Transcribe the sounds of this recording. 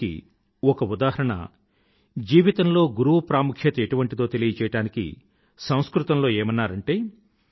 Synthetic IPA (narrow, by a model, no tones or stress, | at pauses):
ḭ | ɔkɐud̪aːɦɐɾɐɳɐ̰ | d͡ʒiːʋit̪ɐmlo̞ːɡuɾuʋɐpɾaːmukʰjɐt̪ɐe̞ʈuʋɐɳʈit̪o̞ːt̪e̞lijɐt͡ʃɛːjɐɽaːnikḭ | sɐ̃w̃skɾut̪ɐmlo̞ːeːmɐnːaːɾɐɳʈeː